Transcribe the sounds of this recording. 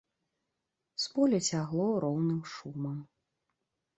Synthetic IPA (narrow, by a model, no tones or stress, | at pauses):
spɔlʲɛt͡sʲaɣlˠɔɾɔwnɨmʂumɐm